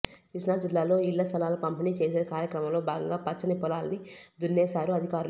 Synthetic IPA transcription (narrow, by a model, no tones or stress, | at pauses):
kiʂnaːd͡ʒilːaːlo̞ːilːɐst̪ʰɐlaːlɐpɐmpiniːt͡ʃe̞ːseːkaːɾjɐkɾɐmɐmlo̞ːbʱaːɡɐŋɡaːpɐt͡ʃːɐnipɔlaːlɐnid̪unːeːsaːɾuɐd̪ʱikaːɾu